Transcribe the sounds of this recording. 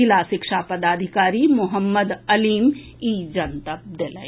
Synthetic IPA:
ɪlaːsɪkʃaːpɐd̪aːd̪ʱɪkaːɾimʊɦəmːəd̪ɐliːm | iːd͡ʒɐnt̪əp̚d̪elə̰

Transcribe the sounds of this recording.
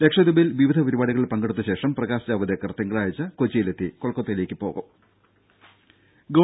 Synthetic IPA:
lekʂɐd̪ubɐilʋiʋid̪ʱɐpɐɾubaːɽiɣɐɭiɭpɐŋɡeɽut̪ːɨɕe̞ːʂɐmprɐɣaːsɐd͡ʑaːʋɐd̪ekːɐrt̪iŋɡɐɭaːjit͡ɕːɨkot͡ɕːijilet̪ːikoɭkːot̪ːɐjile̞ːkʲːɨpo̞̰ːɣṵm | ɡoː

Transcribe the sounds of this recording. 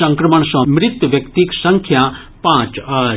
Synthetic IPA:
ɐ̃ŋkɾɐməɳsɔ̃mɾɪt̪wʋjɐkt̪iksɐ̃ŋkʰja | pãːt͡ʃ

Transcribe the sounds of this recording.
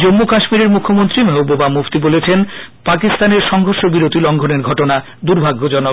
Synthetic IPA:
d͡ʑomːokaʃmiɾeɾmukʰːomont̪ɾimeɦobobamuft̪ibolet͡ɕʰenpakist̪aneɾʃɔŋɡʱoɾʃobiɾot̪ilɔŋɡʱoneɾɡʱɔʈona | d̪uɾbʱaɡːod͡ʑɔno

